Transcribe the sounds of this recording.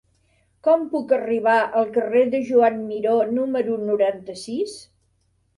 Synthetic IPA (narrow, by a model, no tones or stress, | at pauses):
kɔmpukəriβ̞aʔəlˠkəreðəʒuanmiɾonuməɾunuɾant̪əsis